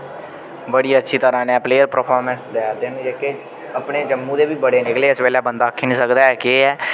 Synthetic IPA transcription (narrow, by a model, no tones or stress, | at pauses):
bəɽiːətːʃʰiːt̪əɾãːnɛːpleːəɾpɾəpʰɔːɾmɛ̃nsd̪ɛːɾd̪eːñːd͡ʒeːkeː | əpɳeːd͡ʒəmːũːd̪eːbiːbəɽeːnɪkleːəsʋeːlɛːbənd̪aːkʰːiːnĩːsəkd̪aːɛːkeːɛː